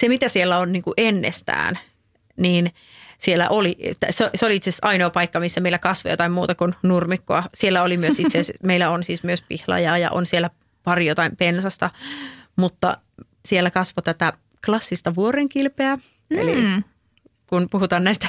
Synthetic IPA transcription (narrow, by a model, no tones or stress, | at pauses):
semit̪æsielːæonniːŋkuʔenːḛst̪æ̰ːn | niːn | sielːæ̰ʔoliʔt̪ːæ̰seoseoliit̪sesɑinoːpɑikːɑmisːæmeilːækɑsʋojo̰t̪ɑimmuːt̪ɑkunnurmikːoɑsielːæolimyøsit̪sesmeilːæonsiːsmyøspḭhlɑ̰jɑːjɑ̰ʔo̰nsielːˑæ | pɑrijot̪ɑimpensɑst̪ɑmut̪ːɑ̰ | sielːækɑsʋot̪æt̪æ | klɑsːist̪ɑʋuoɾeŋkilpeæ | ḛli | kunpuhut̪ɑːnnæist̪æ̥